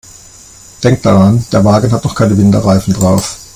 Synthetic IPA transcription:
d̥ɛŋk̚t̚d̥aʁand̥eːɐvaːɡn̩ɦatnɔχkʰaɪnəvɪndɐʁaɪfn̩dʁaʊf

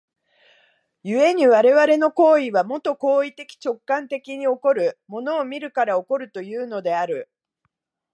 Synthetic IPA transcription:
jɯ̟e̞ɲ̟iβaɾe̞βaɾe̞no̞ko̞ːiβamo̞t̪o̞ko̞ːit̪e̞kʲi̥t͡ɕo̞kːãnt̪e̞kʲiɲ̟io̞ko̞ɾɯ̟mo̞no̞ːmʲiɾɯ̟kaɾao̞ko̞ɾɯ̟t̪o̞jɯ̟ːno̞d̪e̞aɾɯ̟

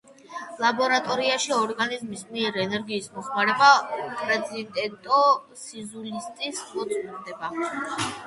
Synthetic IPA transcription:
lˠabɔɾat̪ʼɔɾiaʃiɔɾɡanizmismiɛɾɛnɛɾɡiːsmɔχmaɾɛbakʼɾɛd̪zint̪ʼɛt̪ʼɔ | sizulist̪ʼismɔt̪sʼmiɾd̪ɛba

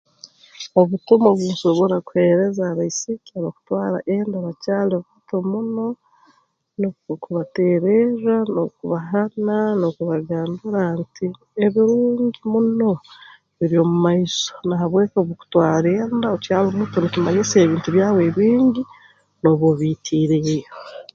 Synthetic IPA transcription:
o̞βutomoβwuso̞βoɾaku̥he̞ɾe̞zaːβaisikiaɾoku̥twaːɾa̰ʔeːndaβacaːloβ | tomuno̞ | nokuβate̞ɾeɾanokuβaɦananokuβaɡaːnduɾanti | eβiɾuːɲɟimuno̞ | βiɾio̞mumaisonaɦaβwe̞ːkoβoku̥twaːɾeːndaocaːlumutonikimaɲiseːβiːntuβjaːweβiːŋɟi | no̞βoβiːtʰiːɾejo

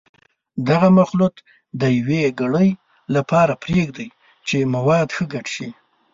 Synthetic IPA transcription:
d̪aɣamaxlut̪ | d̪əjaweɡaɽəj | lapɑɾapɾeɡd̪aj | t͡ʃemawɑd̪xəɡaʈʃi

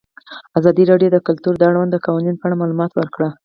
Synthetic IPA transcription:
azɑd̪iɾɑɖjod̪əkʊlt̪uɾd̪əaɽawand̪əkɑwaninpəaɽamɑlumɑt̪wəɾkɽa

